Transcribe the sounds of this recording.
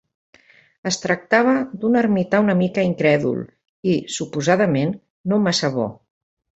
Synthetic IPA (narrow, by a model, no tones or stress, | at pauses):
əst̪ɾək̚t̪aβ̞əd̪unərmit̪aunəmikəiŋkɾɛðṵlˠ | isupuzaðəmenː | omasəβɔ̰